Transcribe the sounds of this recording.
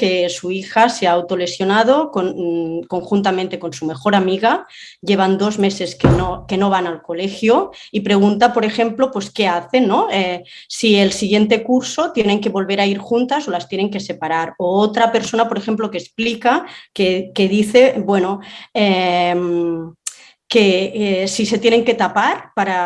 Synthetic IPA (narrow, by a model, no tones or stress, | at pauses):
kesuixaseaːwt̪ole̞sjo̞nað̞okonko̞ŋxunt̪amẽnt̪eko̞nsume̞xoɾamiɣaʎeβ̞and̪o̞zmese̞skenokenoβ̞analkolexjoipɾeɣ̞unt̪apoɾexe̞mplopweskeaθe̞nːoesielsiɣje̞nt̪e̞kuɾsot̪jeneŋkeβo̞lβeɾaiɾxunt̪asolast̪jene̞ŋke̞sepaɾaɾoot̪ɾape̞ɾso̞napoɾexe̞mplokesplikakekeðiθebwe̞noem | kesiset̪jeneŋket̪apaɾpaɾa